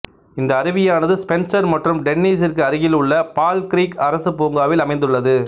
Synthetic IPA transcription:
ɪnd̪ɐːɾɯʋɪjaːnɐðɯspɛnsɐɾmɐʈrɯmɖɛnːiːsɪrkɯɐɾɯɣɪlɯɭːɐpaːlkɪɾiːkɐɾɐsɯpoːŋɡaːʋɪlɐmɐɪnd̪ɯɭːɐðɯ

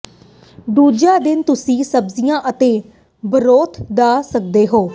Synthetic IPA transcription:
ɖ̪uːd͡ʒaːd̪ɪnt̪ʊsĩːsəbzɪjãːʔət̪eː | bəɾoːt̪ʰd̪aːsək̚d̪eːɦoː

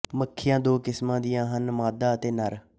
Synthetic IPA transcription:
məkʰːɪjãːd̪oːkɪsmãːd̪ɪjãːɦənmaːd̪aːət̪eːnəɾ

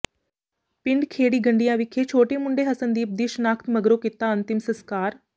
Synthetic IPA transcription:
pɪɳɖkʰeːɽiːɡɐɳɖijãʋɪkʰet͡ʃʰoːʈemʊ̃ɳɖeɦɐsənd̪iːup̚d̪iːʃnaːkʰt̪mɐɡɾokɪt̪ːaɐnt̪ɪmsəskaːɾ

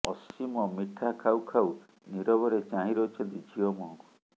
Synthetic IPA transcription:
ɔsimɔmiʈʰakʰawkʰaw | niɾɔbɔɾet͡ʃaɦĩɾɔɦut͡ʃʰɔnt̪id͡ʒiɔmɔɦɔ̃ŋku̥

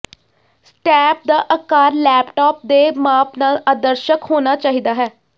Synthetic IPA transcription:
sʈɛːp̚d̪aːʔəkaːɾlɛːpʈaːp̚d̪eːmaːpnaːlaːd̪əɾʃəkɦoːnaːt͡ʃaːɦiːd̪aːɦɛː

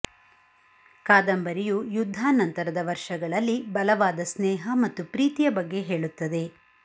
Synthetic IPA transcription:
kaːd̪ɐmbɐɾijujud̪ʱːaːnɐnt̪ɐɾɐd̪ɐʋɐɾʂɐɡɐɭɐlːibɐlɐʋaːd̪ɐsnɛːɦɐmɐt̪ːupɾiːt̪ijɐbɐɡːe̞ɦe̞ːɭut̪ːɐd̪e̞

